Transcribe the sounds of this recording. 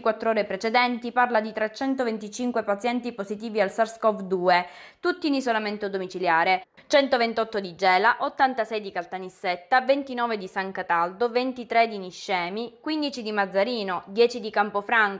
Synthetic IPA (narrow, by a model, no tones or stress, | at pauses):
kwat̪ːɾɔːɾepɾet͡ʃed̪ɛnt̪iparlad̪it̪ɾet͡ʃːɛnt̪ovent̪it͡ʃiŋkwepat̪sjɛnt̪ipozit̪̬iːvialsaɾskɔfd̪uːet̪ut̪ːiːnisolament̪od̪omit͡ʃiljaːɾe | t͡ʃɛnt̪ovent̪ɔt̪ːod̪id͡ʒɛːlaʔot̪ːant̪asɛjd̪ikalt̪anisːɛt̪ːavent̪inɔːved̪isaŋkat̪ald̪ovent̪it̪ɾed̪iniʃːɛːmikwind̪it͡ʃid̪imad̪zːaɾiːnod̪jɛːt͡ʃid̪ikampofɾaŋ